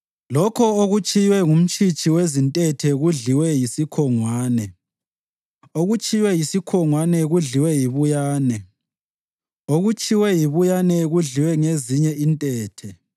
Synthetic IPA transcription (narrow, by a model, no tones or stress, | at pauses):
lɔkʰɔoɣut͡ʃʼʰijwɛŋum̩t͡ʃʰʼit͡ʃʼiwezintʼɛtʰɛɣuɮiwɛjisikʰɔŋwaːnɛ | oɣut͡ʃʼijwɛjisikʰɔŋwanɛɣuɮiwɛjiβujaːnɛ | oɣut͡ʃʼʰiwɛjiβujanɛɣuɮiwɛŋeziɲɛʔintʼɛːtʰɛ